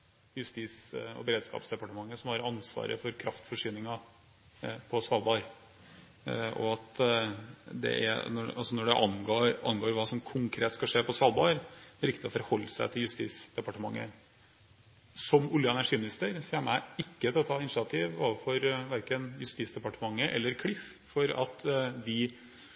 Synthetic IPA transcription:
jʉst̪iːsɔ̰bəɾeːd̪skɑ̰ːpsd̪ɛpɑʈəmɑŋːəsɔmhɑɾɑnsʋɑ̰ːɾə̰fɔɾkʰɾɑft̪fɔʂyːnɪŋɑ | pʰɔsɑːlbɑɾ | ɔ̰ɑt̪ | d̪ɛ̰ʔɛ̰nɔɑ̰lsɔnɔɖɛʔɑnɡoːʔɑnɡoːɾʋɑːsɔmkʰʊŋkʰɾeːt̪skɑʂeːpʰɔsɑːlˠbɑɾd̪ɛɾɪkt̪ɪɔfɔɾhɔlːəsæɪt̪ʰɪljʉst̪ḭːsd̪̥ɛpɑʈəmɑŋːə̰ | sɔmʊljəɛnæʂiːmɪnɪst̪əɾsiəmæɪkːət̪ʰɪlɔt̪ʰɑːɪnʂɪɑt̪ʰiʋo̰ːʋfɔɾʋæɾkənjʉst̪iːt̪sd̪ɛpɑʈəmɑŋːəʔɛ̰lːəɾkʰɽɪf | fɔɾɑt̪d̪ɪ

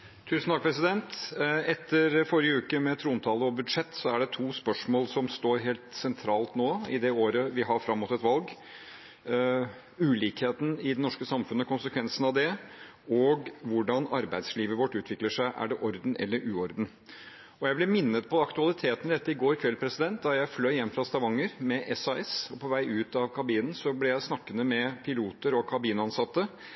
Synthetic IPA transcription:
t̪ʰʉːsn̩t̪ʰɑkpʰɾɛsɪd̪ɛnt̪ɛt̪ːəɾfɔɾɪjəʉːkəmɛt̪ʰɾuːnt̪ʰɑːləɔbʉd̪ʂɛt̪ːsɔæɖɛt̪ʰuːspœʂmoːlsɔmst̪oːɾɦeːlt̪sɛnt̪ʰɾɑːlt̪noːɪd̪ɛoːɾəʋɪɦɑɾfɾɑmːuːt̪ɛt̪ʋɑlɡ | ʉːliːkheːt̪n̩ɪd̪ɛnɔʂkəsɑmfʉnːəkʊnsəkʰʋɛnsənɑʋd̪ɛ | ɔɡʋʊɖɑnɑɾbæɪd̪sliːʋəʋɔʈːʉːt̪ʰʋɪkləʂæɪʔæ̰ɖɛʔɔɾd̪n̩ʔɛ̰lːəɾʔʉːɔɾd̪n̩ | ɔjæɪblɛmɪnːət̪̚pʰɔd̪ɛɑkt̪ʉɑlɪt̪ʰeːt̪əd̪ɛt̪ːəɪɡoːɾkʰʋɛlpʰɾɛsɪd̪ɛnt̪̚d̪ɑjæɪflœʏjɛmːfɾɑst̪ɑʋɑŋːəɾmɛʔɛsɑɛsɔpʰɔʋæɪʔʉːt̪ɑʋkʰɑbiːnən̩sɔblɛjæɪsnɑkːənəmɛpʰɪluːt̪əɾɔkʰɑbiːnəɑnsɑt̪ːə

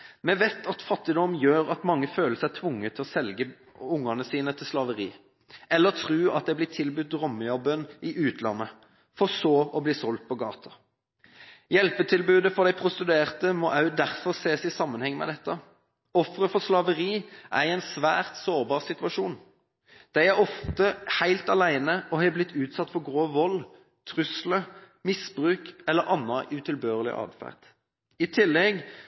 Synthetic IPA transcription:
mɛʋeːt̪ʰɑt̪fɑt̪ːɪd̪ɔmjøːɾɑt̪mɑŋːəføːləsæɪt̪ʰʋʊŋːət̪ʰɪlɔsɛlɡə | ʊŋːɑnəsiːnət̪ʰɪlslɑʋəʁiː | ɛlːəʁt̪ʰʁʉːɑ̰t̪̚d̪ɛɪblɪːt̪ʰɪlbʉt̪̚d̪ʁɔmːəɑʁbœnːɪʔʉːt̪lɑ̰nːə | fɔʁsoːɔbliːsɔlt̪̚pʰɔɡɑ̰ːt̪ʰɑ | jɛlpət̪ʰɪlbʉːd̪əfɔʁd̪æɪpʰʁʊst̪ʉd̪ʉeːʁt̪əmɔʔɑʉd̪æʁfɔʁseːsɪsɑmːənhɛŋːmɛ̰d̪ɛt̪ːə | ɔfʁəfɔslɑʋəʁiːʔæ̰ɪɛɪnsʋæ̰ːʁt̪soːʁbɑːʁsɪt̪ʉɑʃuːn | d̪̥æɪæʁɔft̪əhæɪlt̪ɑlæɪnəɔhɛblɪt̪ʰːʉːt̪sɑt̪ːfɔʁɡʁoːʋɔl | t̪ʰʁʉslə | mɪsbʁʉːkɛlːəʁɑnːɑʔʉːt̪ʰɪlbøːʁəlɪ̰ʔɑ̰ːd̪fæ̰ːʁd̪̥ | ɪt̪ʰɪlːɛɡ

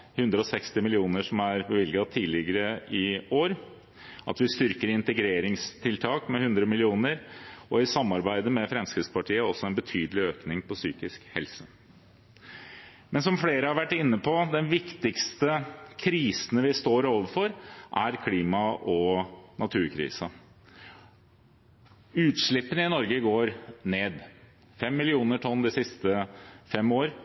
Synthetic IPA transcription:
hʉnd̪ɾəɔsɛkst̪ɪmɪlɪuːnəʂɔmæɾbəʋɪlɡɑt̪ʰiːlɪɡəɾəɪoːɾ | ʔɑ̰t̪ʋɪst̪ʏɾkəɾɪnt̪əɡɾeːɾɪŋst̪ʰɪlt̪ʰɑːkmɛhʉnd̪ɾəmɪlɪuːnəɾɔɪsɑmːɑɾbæɪd̪əmɛfɾɛmskɾɪd̪spɑʈʰiːəɔsːɔɛnbət̪ʰyːd̪əlɪøːknɪŋpɔsyːkɪskhɛ̰lsə | mɛnsɔmfleːɾəhɑɾʋæʈːɪnːəpʰɔd̪ɛnʋɪkt̪ɪkst̪əkʰɾiːsnəʋɪst̪oːɾoːʋəfɔɾʔæɾkʰliːmɑʔɔnɑt̪ʰʉːɾkʰɾḭːsə | ʉːt̪ʂɭɪpːənəɪnɔɾɡəɡoːɾneːd̪ | fɛmːɪlɪuːnəʈʰɔnːd̪ɪsɪst̪əfɛmoːɾ

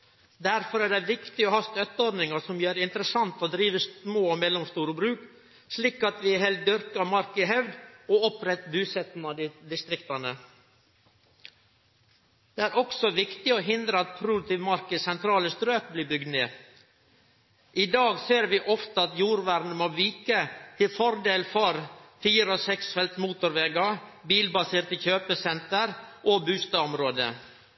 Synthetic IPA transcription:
d̪æɾfɔɾæːɖɛʋɪkt̪ɪoːhɑst̪œt̪ːəɔɾd̪nɪŋəsɔmjøːɾɛɪnt̪ɾəsɑnt̪oːd̪ɾiːʋəsmoːomɛlːɔmst̪uːɾəbɾʉːk | sliːkɑt̪ʋɪɛhɛlt̪̚d̪ʏɾkɑmɑɾkɪɦɛʋd̪oːɔpɾɛt̪ːbʉːsɛt̪n̩ɑd̪ɪd̪ɪst̪ɾɪkt̪ɑnə | d̪̥eːæːɾɔksɔʋɪkt̪ɪoːɦɪnd̪ɾəɑt̪̚pʰɾʊd̪̚t̪ɪʋmɑɾkəsɛnt̪ʰɾɑːləst̪ɾøːk̚bliːbʏɡd̪neː | ʔɪd̪ɑːɡseːɾʋiːʔɔft̪əɑt̪juːɾʋæːɾn̩əmoːʋiːkət̪ʰɪlfɔɾd̪eːlfɔɾfiːɾəɔsɛksfɛlt̪muːt̪ʊɾʋɛːɡɑbiːlbɑseːɾt̪əçøːpəsɛnt̪əɾʔoːbʉːst̪ɑɔmɾoːd̪ə̰

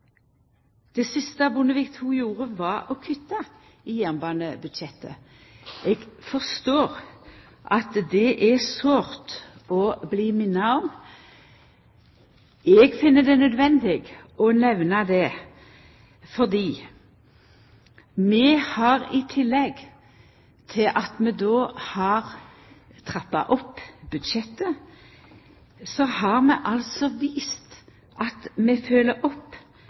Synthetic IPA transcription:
d̪̥ɛsɪst̪əɑbʊnəʋiːkt̪huːjuːʁəʋɑɔkʰʏt̪ːɑ | ijɛːnbɑːnəbʉd̪ʃɛt̪ːə̰ | ɛɡfɔʁst̪oːʁ | ʔɑt̪d̪ɛʔɛsʋoːʁt̪ɔbliːmɪnɑɔm | ɛɡfɪnːəd̪ɛnœd̪ʋɛnd̪ɪɡɔnɛʋnɑd̪ɛ | fɔʁd̪iː | mɛhɑʁɪt̪ʰɪlːɛɡ | t̪ʰɪlʔɑt̪mɛd̪oːhɑʁ | t̪ʰʁɑpːɑ̰ʔɔpːbʉd̪ʃɛt̪ːə | sɔhɑʁmɛ̰ʔɑlsɔʋiːst̪ | ʔɑt̪mɛføːləʔɔpː

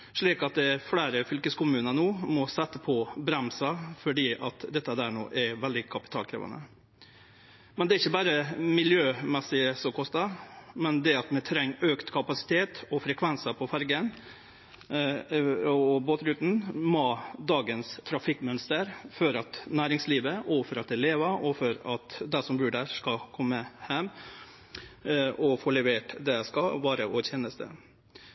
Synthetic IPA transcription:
ʂɭiːkɑt̪̚d̪ɛflæːɾəfʏlkəskʊmʉːnənoːmɔsɛt̪ːəpʰɔbɾɛmsɑfɔɖiːʔɑt̪d̪ɛt̪ːəd̪æːɳo̰ːʔɛʋɛld̪ɪkʰɑpɪ̥t̪ʰɑ̰ːlkʰɾḛːʋɑ̰nə̰ | mɛnd̪ɛɾɪçːəbɑːɾəmɪljøːmɛsɪəsɔkʰɔst̪ɑmɛnd̪ɛɑt̪mɛt̪ʰɾɛŋːøːkt̪kʰɑpɑsɪ̥t̪ʰeːt̪ɔfɾɛkʰʋɛnsəpʰɔfæɾɡən | ɔboːt̪ɾʉːt̪n̩mod̪ɑːɡənst̪ʰɾɑfɪkːmœnst̪əɾfɔɾɑt̪næːɾɪŋsliːʋəʔɔfɔɾɑt̪̚d̪ɛleːʋəɔfɔɾɑt̪d̪ɛsɔmbʉːɖæskɑkʰɔmːəhɛm | ɔfoːɭɛʋeːʈd̪ɛæskɑʋɑːɾəoːɾçjɛnəst̪ə̰

